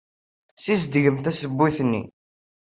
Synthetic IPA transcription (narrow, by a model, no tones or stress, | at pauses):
sisd̪ʝəmθæsəbːuθnːḭ